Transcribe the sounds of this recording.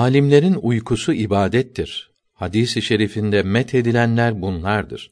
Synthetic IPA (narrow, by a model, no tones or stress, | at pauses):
aːlʲimlʲe̞ɾinujkʰusuibaːd̪ɛt̪ʰːiɾ̥ | had̪iːsiʃe̞ɾifind̪ɛmɛt̪ʰe̞d̪ilʲænlʲæɾbunlˠaɾd̪ɯ̰ɾ̥